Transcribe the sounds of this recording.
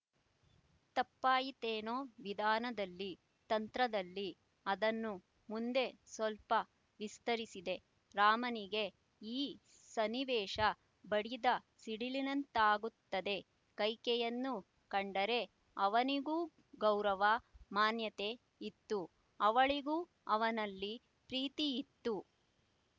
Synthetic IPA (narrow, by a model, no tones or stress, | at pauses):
t̪ɐpːaːjit̪eːnoːʋid̪ʱaːnɐd̪ɐlːi | t̪ɐnt̪ɾɐd̪ɐlːi | ɐd̪ɐnːu | mund̪e̞sʋɐlpɐ | ʋist̪ɐɾisid̪e̞ | ɾaːmɐniɡe̞ | iː | sɐniʋɛːʂɐ | bɐɽid̪ɐsiɽilinɐnt̪aːɡut̪ːɐd̪e̞ | kɐjkɛjɐnːu | kɐɳɖɐɾe̞ | ɐʋɐniɡuː | ɡɐwɾɐʋɐmaːnjɐt̪e̞ | it̪ːu | ɐʋɐɭiɡuː | ɐʋɐnɐlːi | pɾiːt̪iːt̪ːu